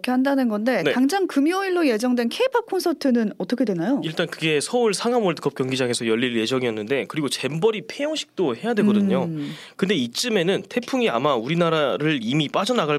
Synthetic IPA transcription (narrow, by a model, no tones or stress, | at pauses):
kʰehandanɯnɡʌnde̞tneaŋd͡ʑaŋkɯmjoiɭːoje̞d͡ʑʌŋdwe̞nkʰeipʰakʰonsʰʌtʰɯnɯnʌt͈ʌkʰe̞dwe̞najoiɭt͈ankɯɡe̞sʰʌuɭsʰaŋamoɭtɯ̥k͈ʰʌp̚kjʌŋɡid͡ʑaŋe̞sʰʌjʌʎːiɭje̞d͡ʑʌŋijʌnːɯnde̞kɯɾiɡot͡ɕe̞mbʌɾipʰejʌŋɕʰi̥k̚t͈ohe̞jadwe̞ɡʌdɯɲo | kɯnde̞it͡ɕ͈ɯme̞nɯntʰe̞pʰuŋiamauɾinaɾaɾɯɭimip͈ad͡ʑʌnaɡaɭ